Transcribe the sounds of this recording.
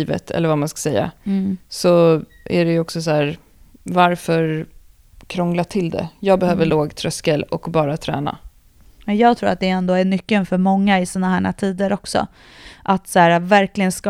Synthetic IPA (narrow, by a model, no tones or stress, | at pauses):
və̰t̪ʰɛ̰lːəɾvamanskḁsɛjːa̰sɔ | æ̰ɖɛjɔksɔsæːɾ | vaɾfœɾ | kʰɾɔŋlaʈʰɪld̪ɛ̰jɑːɡbɛhøːvəɭoːɡt̪ʰɾœskəlɔkbɑːɾat̪ʰɾæ̰ːna̰ | ɛjɑːɡ̚t̪ʰɾuːɾat̪̚d̪ɛɛnd̪oːæɳʏkːənfœɾmɔŋːaɪsiːnaɦæːɳa̰t̪ʰiːd̪əɾɔksɔ̰ | ʔat̪sæːɾavæɾklɪɡənsk